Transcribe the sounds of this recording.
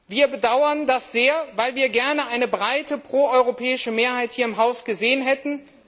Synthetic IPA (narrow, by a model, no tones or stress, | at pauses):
viːɐbədaʊɐndasz̥eːɐvaɪlviːɐɡɛɐnəʔaɪnəbʁaɪtəpʁ̥oːɔʏʁopʰɛːɪʃəmeːɐhaɪthiːɐɪmɦaʊsɡ̥əzeːənɦɛtn̩